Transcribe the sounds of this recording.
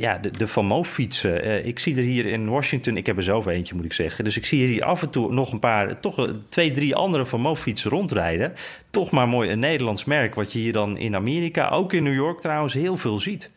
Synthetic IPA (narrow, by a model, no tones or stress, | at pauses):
ja̰dədəfɑmowfisəəɪksidəɹɦiːəɾɪnʋɔʃɪŋk̚tənɪkɦɛpəzɛlˠfejncəmutɪksɛχədɵsɪksiiːɹʔɑ̰fəntunɔχənpaːɹtɔxtʋejdriʔɑ̰ndəɾəfɔmowfitsərɔntrɛjdə | tɔxmaːɹmoːjənːejdəlɑntsmɛɹkʋɑtjəɦiːɹdɑnɪ̰naːmeːɾika̰ʔo̰wkɪnːyːjɔɹk̚trɔwənsɦɪːlˠvɪːlˠzit